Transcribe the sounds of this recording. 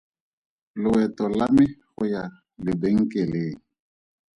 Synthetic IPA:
lʊwɛtɔlamɪxʊja | lɪbeŋ̩keleː

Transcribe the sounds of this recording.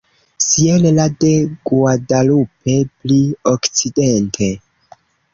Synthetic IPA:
sielelade̞ɡuadalupe̞pliokt͡sidentʰe̞

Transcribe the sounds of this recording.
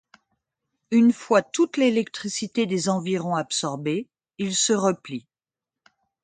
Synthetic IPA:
ynfwat̪ut̪lelɛkt̪χisit̪ed̪ezɑ̃viʁɔ̃apsɔʁbe | ilsəʁəpli

